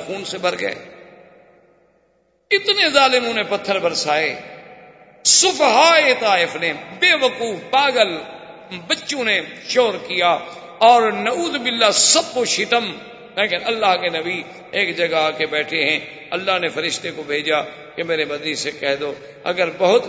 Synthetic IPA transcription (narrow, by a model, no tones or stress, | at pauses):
xuːnsebʱəɾɡə̰ḛː | ɪt̪nezaːlɪmʊ̃nepɐt̪ʰːəɾbɐɾsaːeː | sʊfɦaːet̪aːɪfnebeːʋəkuːfbaːɡəl | bətːʃõneʃoːɾkijaː | ɔːɾnɐuːzmɪlːaːsɐb̚koʃɪt̪əm | leːkɪnɐlːaːɦkenɐbiː | eːkd͡ʒɐɡaaːkebɛːʈʰeɦɛ̃ː | ɐlːaːɦnefɐɾɪʃt̪ekobʱeːd͡ʒaː | kemeːɾebɐd̪nisekɛɦd̪oː | ɐ̰ɡəɾbɐɦʊt̪